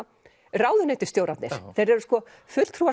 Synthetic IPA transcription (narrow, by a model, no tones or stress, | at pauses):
raːwðʏnet̪ɪ̥st̪jowɾat̪nɪ̰̥θejɾɛɾʏskɔ | fʏl̥t̪ʰɾuːva